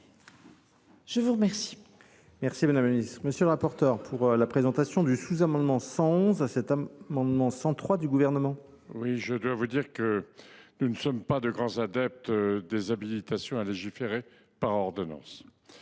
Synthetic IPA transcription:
ʒ̥əvuʁəmɛʁsi̥ | mɛʁsimad̪amlinist̪χməsjəlʁapɔʁt̪œʁpʰuʁlapχezɑ̃t̪asjɔ̃d̪ysuzamɑ̃d̪mɑ̃sɑ̃ɔ̃zasɛt̪amɑ̃d̪mɑ̃sɑ̃t̪χwad̪yɡuvɛʁnəmɑ̃ | wiʒəd̪wavud̪iʁkənunəsɔmpad̪əɡʁɑ̃zad̪ɛp̚t̪d̪ezabilit̪asjɔ̃aleʒifeʁe | paʁɔʁd̪ɔnɑ̰̃s

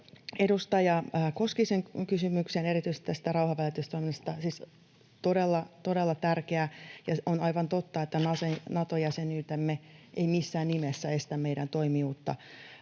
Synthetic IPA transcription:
edust̪ɑjɑkoskiseŋkysymyksenerit̪yist̪it̪ːæst̪ærɑuhɑʋælet̪yst̪onːest̪ɑsiːs | t̪odelːɑt̪odelːɑt̪ærkeæjɑonɑiʋɑnt̪ot̪ːɑet̪ːænɑsenɑt̪ojɑsenyːt̪emːeʔeimisːæːnnimesːæest̪æmmeijɾænt̪oimiuːt̪ːɑ̰

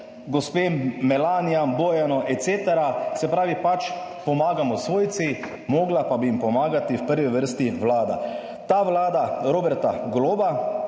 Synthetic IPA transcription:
ɡɔspeːmːɛlaːnijamboːjanɔʔɛt̪seːt̪ɛɾasɛpɾaːʋipat͡ʃpɔmaːɡamɔsʋoːjt̪si | moːɡlapabiimpɔmaːɡat̪iwpəɾʋiʋəɾst̪iʋlaːd̪a̰ | t̪aːʋlaːd̪aɾoːbɛɾt̪a̰ɡloːba

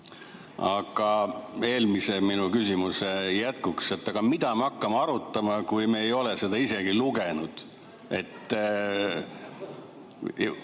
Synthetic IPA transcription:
ɑɡ̥ɑe̞ːlmise̞minukysimusejæt̪kukse̞t̪ːˑɑɡ̥ɑmid̪̥ɑmeɑkːɑmɑɑɾut̪ːˑɑmɑkujmeːjo̞le̞se̞d̪̥ɑise̞ɡiluɡenud̪̥ | e̞t̪ː

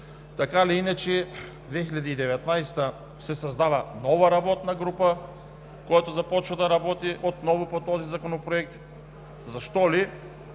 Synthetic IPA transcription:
t̪akaliinat͡ʃɛ | d̪vɛxiʎʲad̪iːd̪ɛvɛt̪najst̪ə | sɛsɐzd̪avənɔvɐɾabɔt̪nɐɡɾupə | kojat̪ozɐpɔt͡ʃvɐd̪ɐɾabɔt̪iʔot̪nɔvopot̪ɔzizakonopɾoɛk̚t̪ | zɐʃt̪ɔli

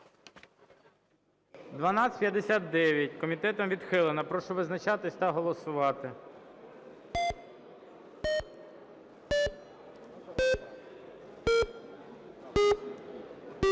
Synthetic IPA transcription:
d̪ʋɐnɑsʲpʲjɐd̪ːesʲat̪̚d̪ɛʋʲjɐt̚ʲkɔmʲit̪ɛt̪ɔmʋʲid̪xɪlˠenɐpɾɔʃɔʋɪznɐt͡ʃɑt̪ɪsʲt̪ɐɦɔlˠɔsʊʋɑt̪ɪ

